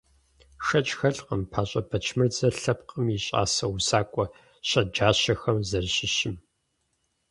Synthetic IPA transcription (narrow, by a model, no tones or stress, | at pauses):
ʂɐt͡ʃʼxɐɮqʼəmpʰaːɕʼɐbɐt͡ʃʰmɨrd͡zɐɬɐpqʼəmjiɕʼa̰ːsɐwusaːkʷʼɔ | ɕɐd͡ʒaːɕɐxɐmzɐrɕɪʃɪm